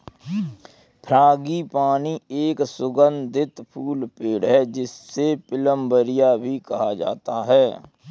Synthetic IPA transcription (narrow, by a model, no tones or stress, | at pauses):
pʰɾãːɡipaːnieːksʊɡə̃nd̪ʱɪt̪pʰuːlpeːɽɦɛd͡ʒɪsːepɪləmbəɾɪjabʱikɐɦad͡ʒa̰ːt̪aɦɛː